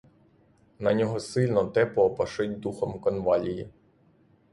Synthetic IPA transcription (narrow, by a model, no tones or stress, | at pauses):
nɐnʲɔɦɔsɪlʲnɔt̪ɛpɔːpɐʃɪtʲd̪uxɔmkɔnʋɑlʲiji